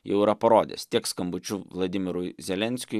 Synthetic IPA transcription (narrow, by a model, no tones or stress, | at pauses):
jɛʊɪɾɐpɐɾoːd̪ʲḛst̪ʲiɛkskɐmbʊt͡ʃʲʊʋlˠɐd̪ʲɪmʲɪɾʊɪzʲɛlʲɛnʲsʲkʲʊ